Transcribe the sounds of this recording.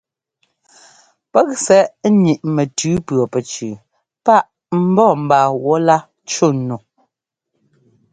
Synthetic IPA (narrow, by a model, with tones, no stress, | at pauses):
pɛ˦k̚sɛ˦ʔɲi˨ʔmɛ˨tʉː˨˦pɰɔ˨pɛ˨t͡ʃʉ˨ | pa˦˨ʔ | m̩˦bɔː˦˨m̩˨baː˨wɔ˨˦la˦ | t͡ʃo˦˨no˨